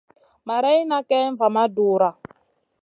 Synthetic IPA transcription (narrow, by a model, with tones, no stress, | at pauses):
ma˨ɾɛ˦i˦na˦kɛ˦ɱ˦va˨ma˦duː˨ɾa˨